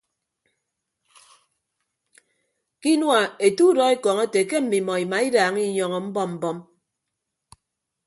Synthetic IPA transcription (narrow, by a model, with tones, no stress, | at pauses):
ki˦nwa˨e˨tu˦dɔ˨e˦kɔ˨ŋe˦te˨ke˦m̩˨mi˨mɔ˨i˨ma˨i˦daː˨ŋi˦ɲɔ˨ŋɔ˨m̩˦bɔ˦mm̩˨bɔ˦m